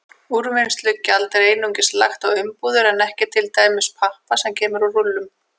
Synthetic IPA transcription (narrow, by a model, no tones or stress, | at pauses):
uɾvɪnst̪lʏcalt̪ɾeːjnuɲcɪsla̰xt̪awʏmpuːðʏɾɛnɛhcɪt̪ʰɪlt̪aːjmɪspʰahpasɛmcʰɛːmʏɾɔrʊlːʏm